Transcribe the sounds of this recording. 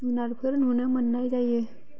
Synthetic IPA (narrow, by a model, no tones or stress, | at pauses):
unaɾpʰəɾnunamənːajd͡ʒaje